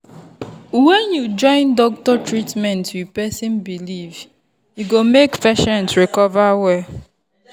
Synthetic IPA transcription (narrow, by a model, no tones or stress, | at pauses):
wɛnjud͡ʒɔ̃ɪ̃ndɔk̚tɔtɹitmɛ̃ntwipɛsĩnbiliv | juɡomekfɛʃɔ̃ntɹikɔvawɛ